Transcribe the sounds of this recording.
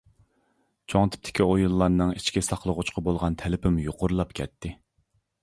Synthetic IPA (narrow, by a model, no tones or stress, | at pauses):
t͡ʃʰoŋt̪ʰɪ̥p̚t̪ʰɪ̥kʲʰiojulˠːɑɾnɨŋi̥t͡ʃkʲisɑqlˠəʁʊt͡ʃqʰɑbolˠʁɑnt̪ʰɛlɪpʰɪmjoqʰʊɾlˠɑpkʲʰɛ̰t̪ʰːɪ